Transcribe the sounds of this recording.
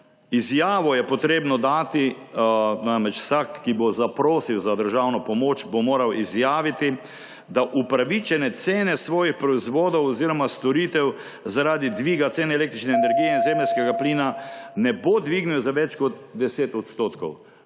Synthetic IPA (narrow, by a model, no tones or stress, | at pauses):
izjaːʋɔjɛpɔt̪ɾeːbnɔd̪aːt̪i | naːmɾɛt͡ʃwsakːibozapɾoːsiwzad̪əɾʒawnɔpɔmoːt͡ʃbomoːɾawizjaːʋit̪i | d̪aʔupɾaʋit͡ʃɛnɛt̪seːnɛsʋɔːjixpɾɔizʋoːd̪ɔwɔziːɾɔmast̪ɔɾit̪ɛw | zaɾaːd̪id̪ʋiːɡat̪seːnɛleːk̚t̪ɾit͡ʃnɛːnɛɾɡijɛinzemlskɛɡapliːnanɛbod̪ʋiɡniwzaʋɛt͡ʃkɔt̪d̪ɛseːt̪ɔt̪st̪oːt̪kɔw